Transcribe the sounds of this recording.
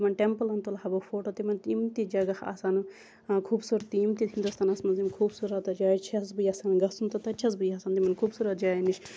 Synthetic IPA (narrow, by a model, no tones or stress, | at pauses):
t̪imɐnʈempəlɐnt̪ulɦɐbofoːʈoːt̪imɐnt̪imt̪id͡ʒɐɡɐha̰ːsaːn | kʰuːbsuːɾt̪ːiimt̪it̪ɦind̪ust̪ʰaːnɐsmɐnzimkʰuːbsuːɾɐt̪ɐd͡ʒaːt͡ʃʰɐsbɨjɐːsaːnɡɐsunt̪ɐt̪ɐt͡ʃʰɐsbɨjasaːnt̪imɐnkʰuːbsuːɾɐt̪̚d͡ʒaːjiniʃʰ